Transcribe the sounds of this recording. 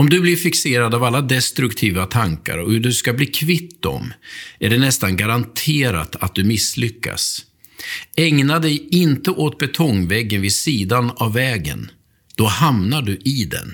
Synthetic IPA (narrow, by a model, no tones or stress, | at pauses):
ɔmd̪ɵblɪɾfɪkseːɾad̪avalːad̪ɛst̪ɾɵkt̪ʰiːvat̪ʰaŋka̰ɾɔhɵɖɵskabliːkʰvɪt̪ːɔ̰mæɖɛnɛst̪anɡaɾant̪ʰeːɾa̰t̪at̪̚d̪ɵmɪslʏkːa̰s | ɛŋnad̪ɛjɪnt̪əʔoːt̪̚bɛt̪ʰɔŋːvɛɡːənvɪd̪siːd̪anavːɛːɡə̰n | d̪̥ɔhamnaɖɵʔɪd̪ɛ̰n